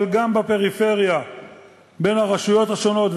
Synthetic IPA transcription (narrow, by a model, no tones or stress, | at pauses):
lɡambape̞ʁife̞ʁja | be̞nhaʁaʃujo̞t̪haʃo̞no̞t̪v